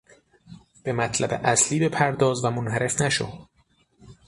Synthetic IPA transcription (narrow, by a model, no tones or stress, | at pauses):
b̥e̞mæt̪ʰlæbḛʔæsliːbe̞pʰæɾd̪ɒːzvæmonɦæɾe̞fnæʃo̰d̪